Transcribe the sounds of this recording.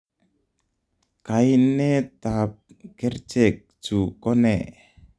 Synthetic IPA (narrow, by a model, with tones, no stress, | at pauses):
ka˨jnɛ˦t̪a˨p̚ | kɛ˦rt͡ʃɛ˨k̚t͡ʃu˨kɔ˦nɛ˨